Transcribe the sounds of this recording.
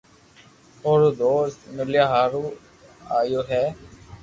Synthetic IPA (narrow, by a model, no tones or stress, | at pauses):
oːɾuːd̪oːst̪mɪljaːɦaːɾuː | aːjoːɦɛː